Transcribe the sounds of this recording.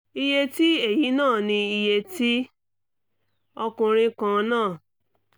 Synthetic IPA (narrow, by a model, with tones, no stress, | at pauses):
i˧je˧ti˦e˦˨ji˨˦nãː˦˨nĩ˧i˧je˧ti˦ | ɔ˧kũ˧ɾ̃ĩ˧kã˧nãː˦˨